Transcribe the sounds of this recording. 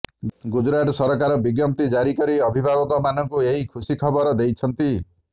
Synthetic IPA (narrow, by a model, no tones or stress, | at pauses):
ɡud͡ʒɾaʈɔsɔɾɔkaɾɔbiɡjɔm̚t̪id͡ʒaɾikɔɾiɔbʱibʱabɔkɔmanɔŋkueɦikʰusikʰɔbɔɾɔd̪ejt͡ʃʰɔnt̪i